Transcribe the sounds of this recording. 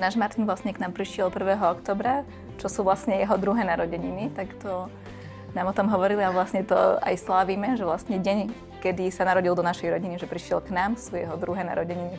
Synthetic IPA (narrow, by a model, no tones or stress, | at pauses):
naːʒmaɾt̪inʋlasɲɛknaːmpɾiʃɪɛlpr̩ʋɛːɦɔɔkt̪ɔːbɾa | t͡ʃɔsuːʋlasɲɛjɛɦɔd̪ɾuɦɛːnaɾɔɟɛɲinit̪akt̪ɔ | naːmɔt̪ɔmɦɔʋɔɾiliaʋlasɲɛt̪ɔ̰a̰jslaːʋiːmɛʒɛʋlasɲɛɟɛɲ | kɛd̪isanaɾɔɟilˠd̪ɔnaʃɛjɾɔɟiniʒɛpɾiʃɪɛlknaːmsuːjɛ̰ɦɔd̪ɾuɦɛːna̰ɾɔɟɛɲini